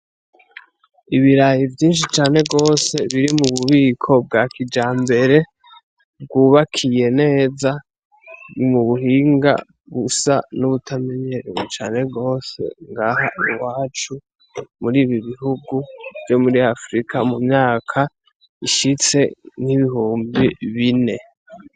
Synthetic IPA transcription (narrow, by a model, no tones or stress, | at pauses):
iβiɾajivjiːnʃ̬it͡ʃaːne̞ɡo̞ːse̞βiɾimuβuβikʰo̞b̚ɡaːkid͡ʒaːmbe̞ɾe̞ | b̚ɡuːβakʰije̞ne̞ːza | muβuhiːŋɡa̰ | βusa̰nuβutʰameɲeɾout͡ʃaːne̞ɡo̞ːse̞̰ŋɡahauɾwaːt͡ʃu | muɾiːβiβiɦuɡuv̥jo̞muɾiafɾikamumɲaːkʰa | iʃit͡se̞ŋ̥hiβihuːmbiβine̞